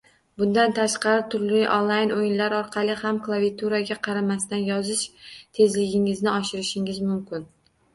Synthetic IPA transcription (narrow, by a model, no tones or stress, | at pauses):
bʊnd̪ant̪ʰaʃqɑɾɪt̪ʰʊɾlɪʔonlˠajnojɪnlaɾɒɾqʰɑlˠɪhamklˠavijt̪ʰuɾaɡʲaqʰɑɾamast̪anjɒzɪʃt̪ʰe̞zlɪɡʲɪŋɪznɪɒʃɪɾɪʃɪŋɪzmʊmkʲɪn